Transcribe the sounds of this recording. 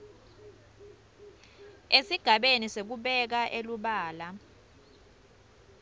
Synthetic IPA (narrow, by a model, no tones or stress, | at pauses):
esiɡ̥ʱaɓenisek̬uɓɛk̬aʔeluɓaːla